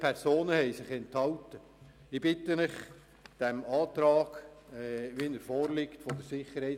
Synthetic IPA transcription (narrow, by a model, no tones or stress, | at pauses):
pʰɛɾsoːnəhɛɪsɪχɛnthɑltə | ɪb̥ɪtəmɪχ | d̥ɛmɑːt̪ɾɑːɡ̥ | ʋinəɾfɔːɾlɪktfɔd̥̪əɾsɪχəɾhɛɪ